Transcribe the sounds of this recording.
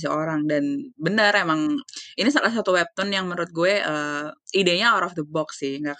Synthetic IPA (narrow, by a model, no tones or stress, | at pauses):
sioɾaŋdanbənəɾemaŋinisalahs̬at̪uwɛp̚t̪ɔnjaŋmənɾʊt̪̚ɡuɛʔəːideɲaɔɾɔfd̪əbɔksɪhŋɡak